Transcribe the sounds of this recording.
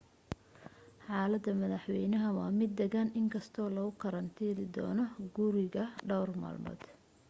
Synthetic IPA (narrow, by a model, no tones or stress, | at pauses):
ħɑːlɐd̪ːɐmɐðɑħwɛjnɐɦɐwɑːmɪd̪ːɛɣaːnʔɪŋkʰɐst̪ʰɔːlɐɣʊkʰɐɾɐnt̪ʰiːlɪd̪ɔ̰ːnɔɡʊɾɪɣɐɖɐwrma̰ːlmɔ̰ːd̪̥